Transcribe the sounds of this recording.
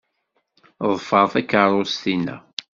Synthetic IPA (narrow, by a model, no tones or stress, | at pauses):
ðˤfəɾˤθækːəɾˤost̪inæ̰